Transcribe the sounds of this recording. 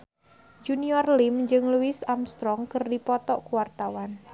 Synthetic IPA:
d͡ʒuniɔrlɪmd͡ʒɨŋluwɪsamst̪ɾɔŋkərdipɔt̪ɔʔkuwart̪awan

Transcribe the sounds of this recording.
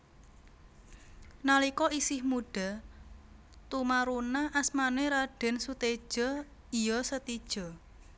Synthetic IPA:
nalikɔisɪhmuɖ̥a̤ | t̪umaɾunaʔasmaneɾaɖ̥ɛ̤nsut̪ed̥ʒ̥ɔ̤ | ijɔsət̪id̥ʒ̥ɔ̤

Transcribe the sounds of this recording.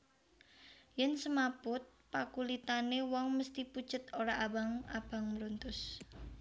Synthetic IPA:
jɛnsəmapʊt̪̚pakulit̪anewɔŋməst̪ipu̥ʒ̥ə̤t̪oɾaʔawaŋab̥a̤ŋməɾunt̪ʊs

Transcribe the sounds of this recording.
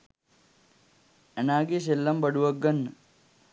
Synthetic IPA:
ɐnaːɡis̬elːɐmbɐɽuʋɐɡːɐnː

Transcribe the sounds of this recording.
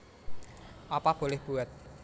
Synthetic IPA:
ʔapab̥olɛhb̥uɛt̪̚

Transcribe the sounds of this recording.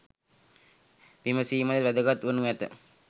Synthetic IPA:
ʋiməsiːmad̪əʋæd̪əɡat̪ʋənuɛt̪ə̰

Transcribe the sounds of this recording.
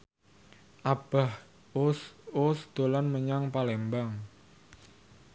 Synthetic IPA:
ʔab̥a̤h | ʊsosd̪̥o̤lanməɲaŋpalɛmbaŋ

